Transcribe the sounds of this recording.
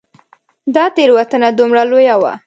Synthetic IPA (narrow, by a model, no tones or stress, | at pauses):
d̪ɑt̪eɾwat̪ənad̪umɽalojawa̰